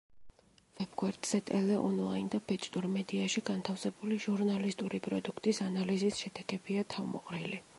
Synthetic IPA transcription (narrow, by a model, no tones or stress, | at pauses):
vɛb̥ɡwɛɾd̪̥z̥ɛt̪ʼɛlɛʔɔnlˠaind̪abʰɛt͡ʃʼt̪ʼuɾmɛd̪iaʃiɡant̪ʰafsɛbuliʒuɾnalist̪ʼuɾipʼɾɔd̪ukʰt̪ʼisanalizisʃɛd̪̥ɛkɛbiat̪ʰavmɔ̰qʼɾili